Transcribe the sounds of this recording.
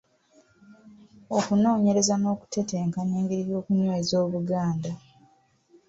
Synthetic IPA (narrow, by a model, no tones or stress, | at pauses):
okuno̞ːɲe̞ɾe̞zano̞ːku̥te̞teːŋkaɲeːŋɡeɾiɾjo̞ːkuɲweːzo̞ːβuɡaːnda